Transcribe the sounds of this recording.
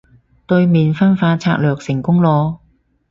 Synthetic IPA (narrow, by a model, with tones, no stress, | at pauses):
t̪ɵ˧ɥmiː˨nfɐ˥nfaː˧t͡sʰaː˧k̚lœː˨˩k̚sɪ˨˩ŋkʊ˥ŋlɔː˧